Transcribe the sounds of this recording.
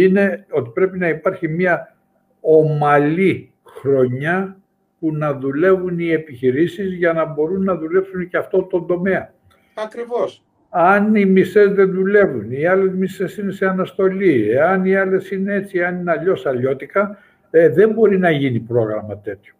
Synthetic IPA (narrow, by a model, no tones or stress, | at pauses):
ine̞o̞t̪i̥pɾe̞pinɐipɐɾçimɐ | o̞mɐli | xɾo̞ɲɐ | punɐðule̞vunie̞piçiɾisizʝɐnɐbo̞ɾunːɐðule̞psunceɐft̪o̞t̪o̞nd̪o̞me̞ɐ | ɐkɾivos | ɐnimise̞zðe̞nðule̞vuniɐle̞zmise̞sine̞se̞ɐnɐst̪o̞lieɐniɐle̞sine̞e̞t̪t͡siɐninɐʎo̞sɐʎo̞t̪ikɐ | eðe̞mbo̞ɾinɐʝinipɾo̞ɣɾɐmɐt̪e̞t̪ço̞̥